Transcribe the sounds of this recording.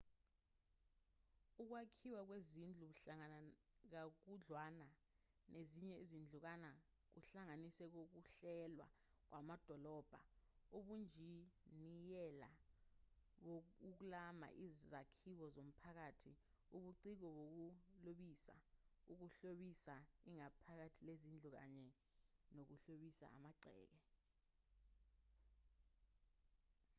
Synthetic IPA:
uk̬wakʰiwak̬wezind͡ɮʱuɓuɬaŋk̬ak̬uɮwana | nʔeziɲɛizind͡ɮʱuk̬ana | k̬uɬaŋanisɛk̬ok̬uɬɛlwa̰k̬wamad̥ʱɔlɔːb̥ʱauɓund͡ʒʱinijɛla̰ | ɓouk̬lama̰ʔizzakʰik̬ɔzom̩pʰak̬atʰi | uɓuǀik̬ɔɓok̬uloɓisa̰ | uk̬uɬoɓisaiŋapʰak̬atʰilezind͡ɮʱuk̬a̰ɲɛ | nok̬uɬoɓisa̰a̰maǀʱɛ̰ːk̬ɛ

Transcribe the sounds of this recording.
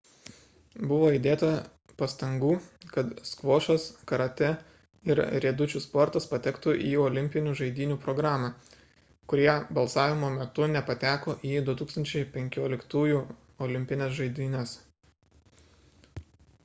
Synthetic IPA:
bʊʋoːɪd̪ʲeːt̪ɐ | pɐst̪ɐŋɡuːkɐt̪skʋoːʃɐskɐɾɐt̪ʲɛ | ɪɾɾʲeːd̪ʊt͡ʃʲuspɔɾt̪ɐspɐt̪ʲɛkt̪uʔiːɔlʲɪmʲpʲɪnʲuːʒɐɪd̪ʲiːnʲuːpɾɔɡɾɑːmɑ | kʊɾʲiɛbɐlˠsɑːʋʲɪmoːmʲɛt̪ʊnʲɛpɐt̪ʲæːkoːʔiːd̪ʊt̪uːkst̪ɐnʲt͡ʃʲɛɪpʲɛŋʲkʲoːlʲɪkt̪uːjuː | ɔlʲɪmʲpʲɪnʲɛsʒɐɪd̪ʲiːnʲɛs

